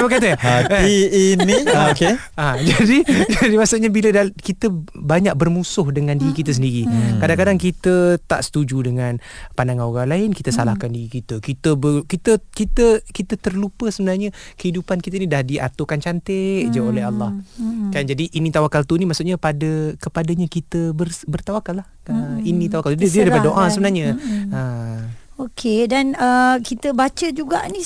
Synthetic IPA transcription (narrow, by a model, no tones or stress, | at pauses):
bəkat̪ə | inike | ad͡ʒadid͡ʒadimasʊtʔɲabilədakit̪əbaɲak̚bərmusʊhdəŋãndiɾikit̪əs̬əndiɾikadaŋkadaŋkit̪ət̪a̰ʔsə̥t̪ud͡ʒudəŋanpandaŋanoɾaŋlaɪnkit̪əsalahkandiɾikit̪əkit̪əbəkit̪əkit̪əkit̪ət̪ərlupəsəbənarɲəkəidupankit̪ənidahdiʔa̰t̪okant͡ʃant̪eʔd͡ʒaolɛɦalːahkand͡ʒadiʔinit̪awakalt̪unimaʔsut̪ʔɲapadəkəpadaɲakit̪əbərbərt̪awakalːah | əinit̪awakalddiədapadoʔasəbənarɲəə | okʰedanəkit̪əbat͡ʃəd͡ʒuɡaʔni